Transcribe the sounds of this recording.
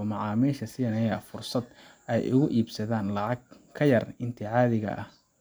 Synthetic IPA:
mɑʕɑːmiːʃɐsɪnɛjɐfʊrsɐd̪ʔɛjʔʊɣʊʔiːbsɐðaːnlɑʕɑɡ | kʰɐjɐrɪnt̪ʰɪʕɑːðɪɣɐ̰ʔɐh

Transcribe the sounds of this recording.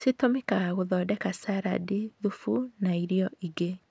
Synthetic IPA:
sitomekaɣaɣoðɔːdɛkasaɾa̰diðufunaiɾiɔʔiɡe

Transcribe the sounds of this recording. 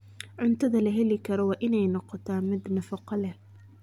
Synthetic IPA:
ʕʊnt̪ʰɐðɐlɐɦɛlɪkʰɐɾɔwɑːʔɪnɛjnɔqɔt̪ʰaːmɪd̪nɐfɐqɑlɛ

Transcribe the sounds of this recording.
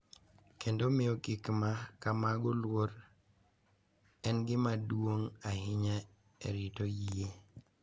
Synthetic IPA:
kʰendomɪokɪkmakamaɡɔlwoɾ | ɛnɡɪmadwoŋahɪɲa | ḛɾitojie

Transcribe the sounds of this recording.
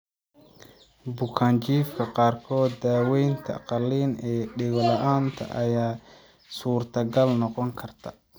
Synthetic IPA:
bʊkʰaːnt͡ʃiːfkʰɐqɑːrkʰɔːd̪ːaːwɛjnt̪ʰɐ̰qɑliːnɛːɖɪɣlɐʔaːnt̪ʰɐ̰ʔɐjaː | suːrt̪ʰɐɡɐlnɔqɔŋkʰɐrt̪ʰɐ

